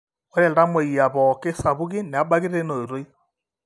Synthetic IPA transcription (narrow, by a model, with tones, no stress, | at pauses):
ɔ˦ɾɛ˨lɾa˦mwɛ˨i˨a˨βɔ˨ke˦sa˨βu˦ɣi˦ne˨a˦ba˦ɣi˦ɾe˦no˨o˨ɾo˦i˦